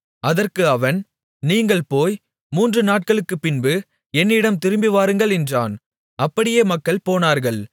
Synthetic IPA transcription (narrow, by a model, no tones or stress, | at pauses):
ɐðɐrkɯɐʋɐn | niːŋɡɐɭpoːj | muːndrɯnaːʈ̚kɐɭɯkːɯpːɪnbɯ | ɛnːɪɽɐmt̪ɪɾɯmbɪʋaːɾɯŋɡɐɭɪndra̰ːn | ɐpːɐɽɪjeːmɐkːɐɭpoːnaːɾɣɐɭ